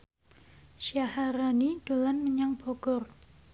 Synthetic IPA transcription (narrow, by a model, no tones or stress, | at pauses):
ʃiahaɾanid̥o̤lanməɲaŋb̥ɔɡ̥ɔr